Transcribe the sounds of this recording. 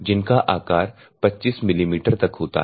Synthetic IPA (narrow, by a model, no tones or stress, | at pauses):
d͡ʒɪnkaʔaːkaːɾ | pɐtːt͡ʃiːsmɪliːmiːʈəɾt̪ɐkɦoːt̪a̰ɦ